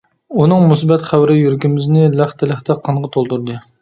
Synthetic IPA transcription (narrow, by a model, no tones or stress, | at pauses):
unɨŋmusbɛt̪χæwɾɪjyɾkʲɪmɪznɪlæχt̪ʰɛlɪχt̪ʰɛqʰɑɴʁət̪ʰolˠt̪uɾd̪ɨ